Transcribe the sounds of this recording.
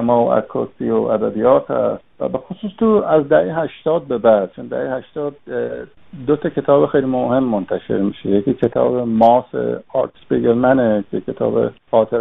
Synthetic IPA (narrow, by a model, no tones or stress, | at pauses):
emɒːo̰æ̰kʰːɒːsioʔæd̪æbijɒːt̪ʰæ̰st̪væ̰be̞xosuːst̪ʰuːæzd̪æʔeɦæʃt̪ɒːd̪̚be̞bæd̪̥̚t͡ʃʰond̪æ̰hehæʃt̪ɒːd̪̚ | d̪ot̪ʰɒcʰe̞t̪ʰɒːbexejlimohe̞mːont̪ʰæʃe̞̰ɾmiːʃejekiːcʰe̞t̪ʰɒ̰ːbemɒːsḛɒɾtsbeɡeɾmænekʰekʰe̞t̪ʰɒ̰ːbḛhɒːt̪ʰeɾ